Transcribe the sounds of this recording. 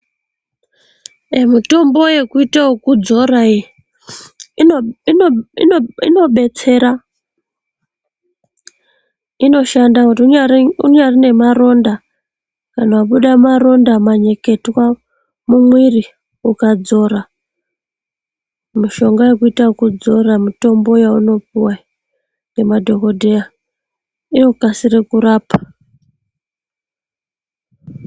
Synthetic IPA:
emito̞mbo̞je̞kuitaokud͡zo̞rai | i | ino̞ɓe̞t͡se̞ɾa | ino̞ʃandakutuauɲarine̞maro̞nda | kanawaɓuɗamaro̞ndamaɲe̞ke̞twa | mumwiri | ukad͡zo̞ɾa | miʃo̞ŋɡajekuitakud͡zo̞ramito̞mbo̞jauno̞puwa | ŋɡe̞madʱo̞ko̞dʱeja | ino̞kasirekuɾaːpḁ

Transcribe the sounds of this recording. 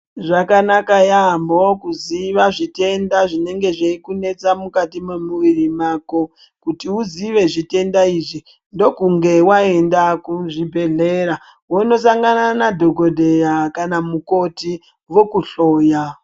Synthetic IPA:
ʐakanakajambokuziʋaʐite̞ndaʐine̞ŋɡe̞ʐeikune̞t͡samukatimemuʋirimaːko | kutiuziʋe̞ʐite̞ndaiʐi | ndo̞kuŋɡe̞waendakuʐibʱe̞ɮe̞ɾa | wono̞s̬aŋɡananadʱo̞ɡo̞dʱe̞jakanamuko̞ti | ʋo̞kuɬo̞ːja

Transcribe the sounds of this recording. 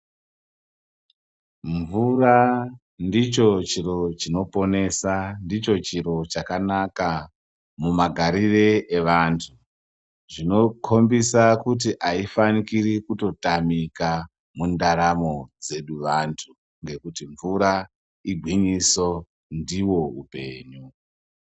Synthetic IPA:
ɱvura | ndit͡ʃo̞t͡ʃiɾo̞t͡ʃino̞po̞ne̞sandit͡ʃo̞t͡ʃiɾo̞t͡ʃakanaka | mumaɡʱaɾireeʋantʰu | ʐino̞kʰo̞mbisakut̬iʔaifanikirikuto̞tamika | mundaɾamo̞d͡ze̞ɗuʋantʰu | ŋɡe̞kutiɱvuɾa | iɡʱwiɲiso̞ | ndiwo̞ṵpe̞̰ːɲu

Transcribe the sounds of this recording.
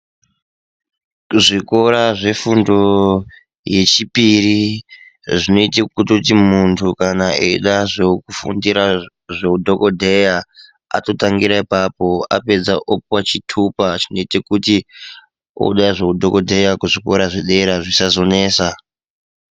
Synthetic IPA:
uʐiko̞ɾaʐe̞fundo̞ | je̞t͡ʃipiri | ʐino̞itekutotimuntʰukanaḛḭɗaʐekufṵndiɾa | ʐeudʱo̞ko̞dʱeja | a̰to̞taŋɡiɾaipapo̞a̰pe̞d͡zaʔop̚wat͡ʃitʰupat͡ʃino̞itekuti | o̰ɗaʐe̞udʱo̞ko̞dʱe̞jakuʐiko̞ɾaʐeɗeɾaʐisazo̞ne̞ːsa

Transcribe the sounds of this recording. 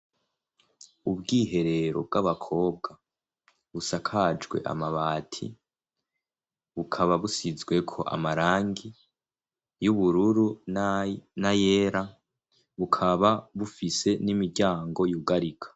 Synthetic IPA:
ubɡiːɦe̞ɾe̞ɾo̞̰b̚ɡaβakʰo̞ːb̚ɡa | βusakʰad͡ʒɡwe̞̰ʔa̰maβaːtʰḭ | βukʰaβaβusizɡwe̞kʰo̞̰ʔa̰maɾaːŋɡi | juβuɾuɾu | najeːɾa | βukʰaβaβufise̞nimiɾɟaːŋɡo̞juɡaɾikʰḁ

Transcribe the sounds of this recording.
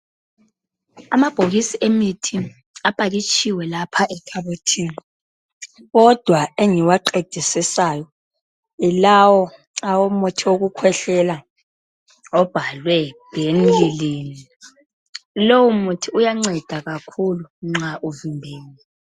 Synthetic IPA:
amab̥ʱoɣisiʔemitʰi | apʼaɣit͡ʃʼiwɛlapʰaʔɛtʰʼaβotʰiːni | ɣɔd̥ʱwaeŋiwaǃed̥ʱisisajɔ | ilawɔ | awomutʰioɣukʰwɛɬɛla | ɔb̥ʱalwɛbʱenlileːni | lowumutʰiujaŋ͡ǀɛd̥ʱaɣakʰuluŋ͡ǁaʔuvimbʱeːlɛ

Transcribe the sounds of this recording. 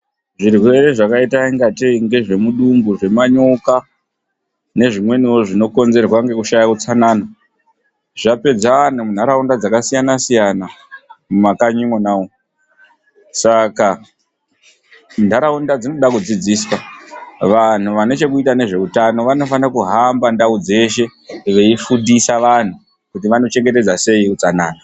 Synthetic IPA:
ʐirwwe̞ɾe̞ʐakaitaiŋɡatiŋɡe̞ʐe̞muɗumbuʐe̞maɲoka | ne̞ʐimwe̞niwo̞ʐino̞ko̞nze̞rwaŋɡe̞kuʃajakut͡sanaːna | ʐape̞d͡zaanumun̤aɾaundad͡zakasijanasijanamumakaɲimonaːwo | saka | ndaɾaundad͡zinoɗakud͡zid͡ziːswaʋan̤uʋano̞t͡ʃe̞kuitane̞ʐe̞utano̞ʋano̞fanrakuɦambandaud͡ze̞ʃe̞ʋe̞ifudisaʋan̤u | kutiʋano̞t͡ʃe̞ŋɡe̞te̞d͡zase̞ikut͡sanaːna

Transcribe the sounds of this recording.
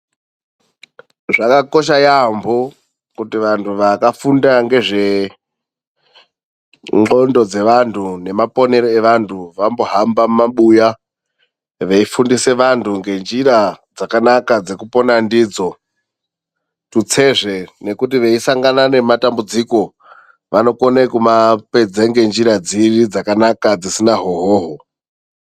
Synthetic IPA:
ʐakako̞ʃ̬ajambo | kutiʋantʰuʋakafundaŋɡe̞ʐe̞ | ŋ͡ǃo̞ndo̞d͡ze̞ʋantʰune̞mapo̞ne̞ɾoeʋantʰuʋamboɦambamaɓuja | ʋeifundise̞ʋantʰuŋɡe̞nd͡ʒiɾad͡zakanakad͡ze̞kupo̞nandiːd͡zo̞ | tut͡se̞ʐe̞ne̞kutiʋe̞isaŋɡanane̞matambud͡ziko̞ | ʋano̞ko̞nekumape̞d͡zeŋɡe̞nd͡ʒiɾad͡zirid͡zakanakad͡zisinaɦoɦoːɦo

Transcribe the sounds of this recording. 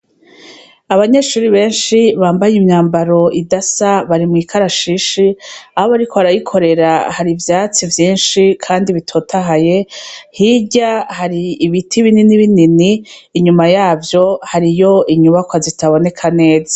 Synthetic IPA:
aβaɲe̞ʃuːɾiβe̞ːnʃiβaːmbajimɲaːmbaɾo̞ʔidasaβaɾimŋiːkʰaɾaʃiʃiaho̞βaɾikʰoβaɾajikʰo̞ɾe̞ɾahaɾivjaːt͡sivjiːnʃikʰaːndiβitʰo̞ːtʰaɦaje̞hiɟahaɾiːβitʰiβininiβininiːɲumajaːvjo̞haɾijo̞iɲuβakwazitʰaβo̞ne̞kʰane̞ːzḁ

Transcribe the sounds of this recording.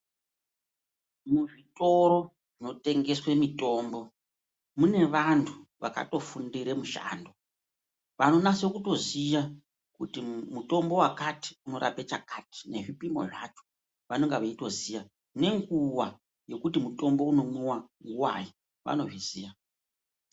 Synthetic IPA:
muʐito̞ɾo̞ | ʐino̞te̞ŋɡe̞swe̞mito̞ːmbo̞ | mune̞ʋantʰuʋaka̰to̞fundiɾemuʃa̰ːndo̞ | ʋano̞nasokuto̞zija | kutimuto̞mbo̞wakati̥uno̞ɾʔa̰pet͡ʃa̰kati̥ne̞ʐipimo̞̰ʐat͡ʃo̥ | ʋano̞ŋɡaʋeito̞zija | ne̞ŋɡuwa | je̞kutimuto̞mbo̞uno̞muwaŋɡuwa̰ji | ʋa̰no̞̰ʐiziːja

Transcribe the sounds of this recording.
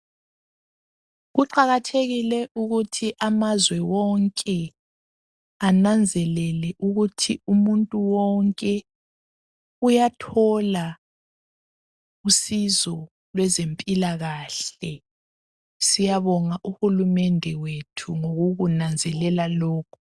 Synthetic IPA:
ɣuǃaɣatʰeɣilɛʔuɣutʰiʔamazwɛwɔŋkʼɛ | anand͡zʱɛlɛlɛʔuɣutʰiumuntʼuwɔŋkʼɛ | ujatʰɔla | usizɔ | lwɛzempʼilaɣaːɬɛ | sijaβɔŋaʔuhulumɛndʱɛwetʰuŋoɣuɣunand͡zʱɛlɛlalɔːkʰu̥

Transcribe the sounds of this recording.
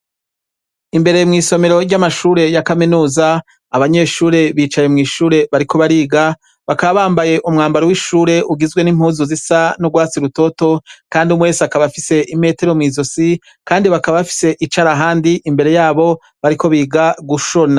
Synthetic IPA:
imbe̞ɾe̞jmŋiːso̞me̞ɾo̞ɾɟamaʃuːɾe̞jakaminuːzaː | βaɲe̞ʃuːɾe̞βiːt͡ʃajemŋiːʃuːɾe̞βaɾikʰo̞βaɾiːɡa | βakaβaβaːmbaje̞ʔumŋaːmbaɾowiʃuːɾe̞ʔuɡizɡwe̞nim̥huːzuzisanoɡwaːt͡siɾuto̞to̞kaːndiumwe̞ːsakaβafise̞ʔime̞ːte̞ɾo̞mŋiːzosi | kaːndiβakaβaβafi̥se̞ʔit͡ʃaɾaɦaːndiʔimbe̞ɾe̞jaːβo̞ | βaɾikʰo̞βiːɡaɡuʃona

